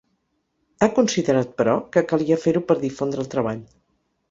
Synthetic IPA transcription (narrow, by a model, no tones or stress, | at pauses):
akunsiðəɾat̪̚pəɾɔkəkəlˠiəfeɾupəɾðifond̪ɾəlˠt̪ɾəβ̞aʎ